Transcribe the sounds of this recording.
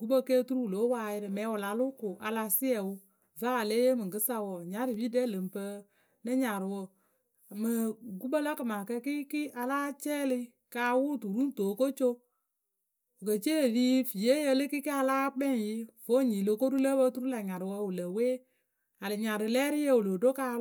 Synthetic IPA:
ɡu˦bə˦ke˦tu˦ɾu˦wu˨lo˨˦waː˧˦˨jɪ˦ɾɨ˧mɛ˨˦wʊ˨la˨˦lʊ˦kʊ˨ʔa˧la˧si˦ɛ˨wu˦ | va˦a˨le˦je˦mɨ˨ɡɨ˦sa˦wɔ˨ɲa˨˦ɾɨ˨bi˦dɛ˦lə˨mpə˧˦ | nɨ˦ɲa˨ɾɨ˨wo˦˨ | mɨ˨ɡu˦bə˦lə˦kɨ˨ma˨kə˦ki˦ki˦ʔa˧laː˦t͡ʃɛː˦li˦ | kaː˧˦wu˦˨tu˨ɾu˦n˦toː˨ko˦t͡ʃo˦ | o˨kə˨t͡ʃe˦˨li˦fi˨je˦jə˧lɨ˦ki˦ki˦a˧laː˦k͡pɛ˦˨ji˦vo˦˨ɲi˨lo˦ko˦ɾu˦lə˦bə˧˦tu˦ɾu˦la˨ɲa˨ɾɨ˨wə˧˦wu˨lə˨weː˦ | a˨lɨ˨ɲa˨ɾɨ˨lɛː˦ɾi˦je˦˨wu˨lo˨do˦ka˧

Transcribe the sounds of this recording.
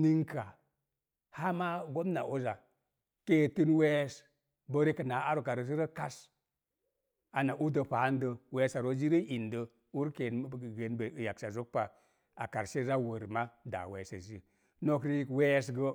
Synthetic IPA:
ni˦ŋka˨ | ha˦ma˦ɡo˦mna˨ʔo˦za˨ | ke˦˨tɨ˦nwe˦s | bə˦ɾe˦kə˨na˨˦a˦ɾo˨ka˨ɾo˨s̬i˦ɾə˦ka˦s | a˨na˨ʔu˦də˨pa˨˦n˦də˨we˦sa˨ɾo˦d͡ʒi˦ɾə˦ʔi˨ndə˨ | u˦ɾke˨n˦˨ɡe˨nbə˨ja˨ksa˨zo˦k̚pa˨ | a̰˨ka˨ɾse˦za˦wə˨ɾma˦da̰˨we˨˦sa˨zi˦ | no˦kɾi˦˨we˦s̬ɡə˦

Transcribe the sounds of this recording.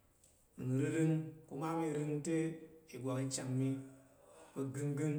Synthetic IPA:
n˨ɾɨ˧ɾɨ˧ŋku˧ma˦mi˧ɾɨ˧ŋte˦i˨ɡʷa˨ki˧t͡ʃa˨ŋmi˧ | ke˧ɡɨ˧ŋɡɨ˦ŋ

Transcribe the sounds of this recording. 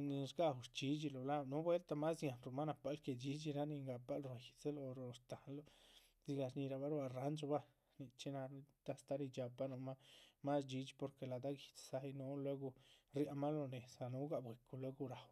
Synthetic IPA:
ni˧sɡa˧wɾt͡ʃi˧˦d͡ʒi˧lo˨la˦nu˦bwe˦lt̪a˧ma˦sja˨nɾo˧˨ma˦na˧pa˧˦lke˧˨d͡ʒi˧˦d͡ʒi˧ɾa˦ni˧ŋɡa˧pa˦lɾa˧˨ji˨t͡se˦lo˧ɾo˧st̪a˨lo˦ | zi˧ɡa˧ɲi˧ɾa˧ba˦ɾba˧ɾa˦nd͡ʒo˧ba˦ | ni˧t͡ʃi˦na˧t̪a˧st̪a˦ɾi˧d͡ʒa˧pa˧˦no˧ma˦ma˦sd͡ʒi˧t͡ʃi˧po˧ɾke˧˨la˨d̪a˦ɡi˨t͡ssa˧˦i˧no˧˦lwe˦ɡo˧ɾja˧ma˦lo˧ne˨sa˨nu˧˦ɡa˧˨bwe˨ku˧lwe˦ɡo˧ɾa˨w

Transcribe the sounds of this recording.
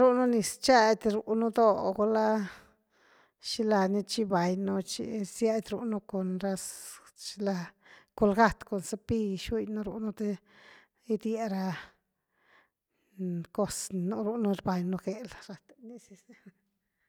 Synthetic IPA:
ɾu˦nu˦ni˨st͡ʃa˦ʔd̪ʲɾṵ˨nu˦d̪o˦ɡo˧la˦ | ʃi˦la˧ni˦t͡ʃi˦ba˨jnu˦t͡ʃḭ˧sja˦d̪ʲɾu˧ʔnu˦ko˨nɾa˧s | t͡ʃi˧la˧ | ko˧lɡa˦t̪ko˨nsa˦pi˦ʃu˦jnu˦ɾṵ˧ʔnu˦t̪e˦ | i˦d̪je˧ɾa˧ | ko˦snu˦ɾu˧nu˦˧ɾba˨jnu˧ɡe˨lɾa˧t̪ni˧si˧s

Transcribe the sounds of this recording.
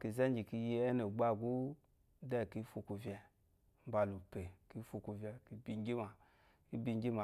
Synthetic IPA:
ki˧zɛ˦d͡ʒi˨ki˧ji˧ɛ˦no˨ɡ͡ba˦˨ɡu˦ | dɛ˦˨ki˧˦fu˧ku˧vʲjɛ˧ | m̩˦ba˧lu˨pe˨ki˧˦fu˧ku˧vʲɛ˧ki˧˦bi˧ŋ˦ɡʲi˦ma˨ | ki˦bi˧ŋ˦ɡʲi˦ma˨

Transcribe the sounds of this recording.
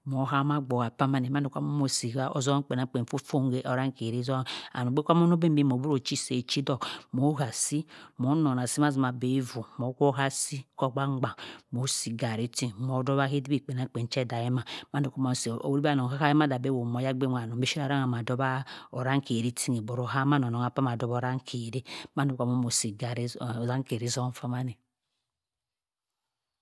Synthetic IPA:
mo˨˦ɦa˦ma˦ɡ͡bo˨ɣa˨pa˦ma˦ne˨ma˦n˦du˨kʷa˦mo˦mo˨si˨ɡa˦ʔo˨zɔ˦k͡pe˨na˨˦k͡pe˨n˨fu˦fo˦ŋ˦ɡe˦ʔo˨ɾa˦ŋ˦ke˨ɾi˦zo˦a̰˨no˨ɡ͡be˦kʷa˦mo˦no˦be˦m˦be˦mo˨bu˦ɾo˨t͡ʃi˦se˨t͡ʃi˦dɔ˦˨mo˨˦ɣa˨si˦mo˨˦no˨na˨si˦m˦a˦zi˨ma˨be˨˦i˦vu˨mo˨˦ko˦ɦa˦si˦ko˦ɡ͡ba˦ŋ͡mɡ͡ba˨mo˨˦si˨ɡa˨ɾi˨˦ti˦˨mo˨˦dɔ˦ba˦he˦di˦bi˦˨k͡pe˨n˨a˦˨k͡pe˨n˦t͡ʃɛ˦da˨je˦ma˨ma˦n˦u˨ko˦mo˨so˨˦ɾi˦ba˦˨no˨ka˦ka˦je˦ma˦da˨be˦wo˨mo˨˦ja˦ɡ͡be˦a˨no˨be˦i˦a˦ɾa˦ŋa˨ma˨dɔ˦ba˦o˨ɾa˦ŋ˦ke˨ɾi˦tʰi˦ŋe˨bo˨ɾo˦ɦa˦ma˦no˨no˨ŋa˨pa˦m˨a˨dɔ˦bo˦ɾa˦ŋ˦kʰe˨ɾe˦ma˦n˦u˨ka˨mo˦mo˨si˨ɡa˨ɾe˦˨za˦ŋ˦ke˨ɾi˦zɔ˦fa˦ma˦ni˨

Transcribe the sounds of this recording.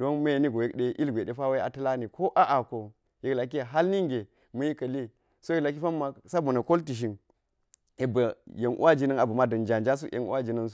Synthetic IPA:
do˦nma˦je˨ni˦ɡo˨je˦kɗe˦ʔi˦lɡʷe˨ɗe˦fa˦we˦a̰˨tɐ˦la˦ni˨ko˦ʔa˦ʔa˨ko˨ | je˨kla˨k̬i˦a˨ɦa˦lni˦ŋɡe˨ | mɐ˦ji˦kɐ˨li˦ | so˦je˦kla˨k̬i˦fa˦mːa˨sa˦bo˨na˨ko˦lti˨ʃ̬i˨n | e˨bɐ˨je˨nʔṵ˦ʔa˦d͡ʒi˦nɐ˦na˨bɐ˨ma˦dɐ˨nd͡ʒa˨nd͡ʒa˦s̬u˦ʔḛ˨nṵ˦ʔa˦d͡ʒi˨nɐ˦ns

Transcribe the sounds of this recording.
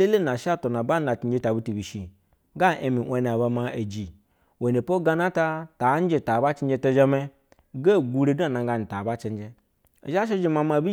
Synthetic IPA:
e˦le˦na˨ʃa˦to˨na˨ba˦na˨ti˨˦d͡ʒe˧ta˨bi˦ti˨bi˨ʃi˨ | ɡa˦ʔe˨mi˨ʔʷe˨˧n˨a˨ba˧ma˧e˨d͡ʒi˨ | we˨ne˨po˦ɡa˧na˦ta˧ta˨˦n˦d͡ʒe˧˨ta˨ba˦t͡ʃi˦n˦d͡ʒe˧to˧d͡ʒa˧me˧ | ɡe˦˨ɡu˧ɾe˧˦da˦˨na˧ŋ˦ɡa˧˨ni˨ta˨ba˦t͡ʃe˦n˦d͡ʒe˧ | ḛ˨ʒa˦ʃ̬e˦d͡ʒe˧ma˧ma˧˨bi˦

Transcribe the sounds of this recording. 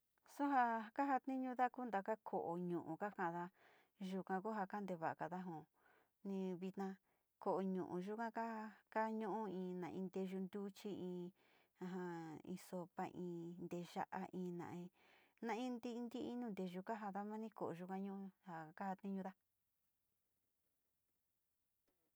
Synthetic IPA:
so˦ɦa˧ka˦ɦa˧t̪nĩ˦ɲũ˧ða˦ku˦nd̪a˨ka˦kʰo˨ʔo˨ɲũ˨ʔṵ̃˨ka˦kã˦ʔða˧ | ʒu˧kã˧ku˦ɦa˧ka˦nd̪e˧βa˨a˨ka˨ða˦ɦõ˨ | nĩ˧βi˧t̪nã˧ | ko˨ʔo˧ɲũ˨ʔṵ̃˨ʒu˦kã˦ka˦˧ka˦ɲũ˦ʔũ˦ĩː˧nã̰˨ʔĩ˧nd̪e˧ʒu˧nd̪u˦t͡ʃi˦ĩ˧ | ã˧ɦã˧ḭ̃˧so˧pa˧ʔĩː˧nd̪e˧ʒa̰˧ʔa̰˧ʔĩː˧nã̰˨ĩ˧nã˧ĩ˦nd̪i˦˧nd̪i˦ĩ˧nũː˦˧nd̪e˧ʒu˧ka˦ɦa˧ða˦mã˦nĩ˦ko˨ʔo˨ʒu˧kã˧ɲũ˦ha˨ka˦ha˧t̪ĩ˦ɲũ˧ða˦

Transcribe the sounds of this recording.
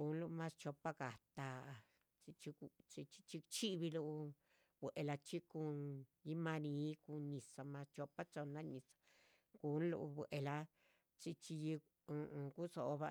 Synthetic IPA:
u˨˧˦nlu˧mã˦st͡ʃo˧pa˦ka˨t̪a˧ | t͡si˧t͡ʃi˧t͡ʃi˧t͡ʃi̥˧t͡ʃi˧t͡ʃi˦βi˧lu˧ | bʷe˨ʔe˧la˧t͡ʃi˦ku˧nji˦mã˧nĩ˨˧˦ku˧ɲĩ˨sa˧mã˧st͡ʃo˧pa˦t͡ʃo˧na˦ɲĩ˨sḁ˧ | ku˨˦n˦lṵ˧bwe˨ʔe˧la˧ | t͡ʃi˧t͡ʃi˧ji˧ | ku˦so˨˧βa̰˧

